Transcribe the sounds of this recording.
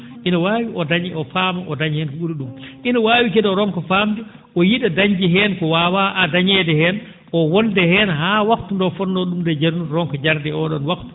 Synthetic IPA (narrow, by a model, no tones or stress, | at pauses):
ʔinawaːwiɔdaɲiɔfaːmaʔɔdaɲhɛnkɔɓuɾuɗumʔinawaːwikɛdɔɾɔŋkɔfaːmdɛ | ʔɔjiɗadaɲd͡ʒiɦɛnkɔwaːwaʔadaɲɛdɛhɛn | ʔɔwɔndɛhɛːnɦaːwakt̪undɔfɔnːɔɗumdɛd͡ʒaɾnuɾɔŋkɔd͡ʒaɾdɛɔɗɔnwakt̪u̥